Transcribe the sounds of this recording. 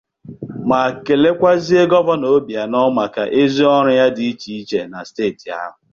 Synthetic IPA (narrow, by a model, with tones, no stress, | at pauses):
ma˨ke˨le˦kʷa˦zi˦e˦ɡɔ˦bɔ˦no˨˦bja˨nɔ˦ma˨ka̰˨ʔe˦zi˦ɔ˦ɾʊ˦ja˦di˨i˦t͡ʃi˨i˦t͡ʃe˨na˨steː˦˨ti˨a̰˦ɦʊ˨